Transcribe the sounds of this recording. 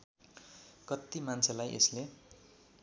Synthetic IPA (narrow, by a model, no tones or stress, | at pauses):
kʌt̪ːimant͡sʰelajʔḛsle